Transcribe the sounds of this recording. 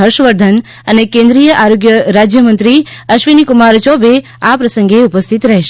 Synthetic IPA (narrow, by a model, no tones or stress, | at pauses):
ɦəɾʃʋəɾd̪ʱən | ənekẽnd̪ɾijəʔaɾoɡjəɾad͡ʒjəmə̃nt̪ɾiəʃʋinikumaɾt͡ʃɔbe | apɾəsə̃ŋɡeupəst̪ʰit̪ɾɛɦeʃe